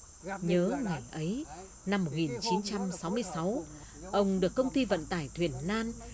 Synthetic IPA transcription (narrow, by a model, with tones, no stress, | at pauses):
ɲəː˨˦ŋa˨˩jʔə˨˦j | na˧mːo˨˩t̚ŋi˨˩nt͡ɕi˨˦nt͡ɕa˧msa˨˦wmɨ˧əjsa˨˦w | ʔə˧wŋ͡mɗɨ˨˩əkːə˧wŋ͡mt̪i˧və̰˧˨nt̪aː˧˩jt̪ʰwḭ˨˩ənːaː˧n